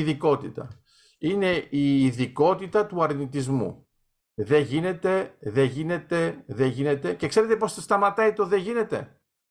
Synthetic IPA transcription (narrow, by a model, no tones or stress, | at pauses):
ðiko̞t̪it̪ɐ̰ | ine̞iːðiko̞t̪it̪ɐt̪uɐɾnit̪izmṵ | ðe̞ʝine̞t̪e̞ðe̞ʝine̞t̪e̞ðeʝine̞t̪e̞cekse̞ɾe̞t̪e̞po̞sst̪ɐmɐt̪ɐit̪o̞ðe̞ʝine̞t̪e